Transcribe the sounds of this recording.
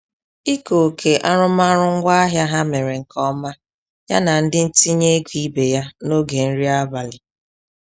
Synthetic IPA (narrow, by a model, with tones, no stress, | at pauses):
i˦ko˨kʰe˨ʔa˦ɾʊ˦ma˦ɾʊ˦ŋ̩˦ɡʷa˦a˦ɦja˦ɦa˦me˨ɾe˨ŋ̩˨kʰɔ˦ma˦ | ja˦na˨n̩˦dɪ˦n̩˦ti˦ɲe˦ɡʷi˦be˨ja˦no˦ɡe˨n̩˦ɾi˦a˦ba˨lɪ˨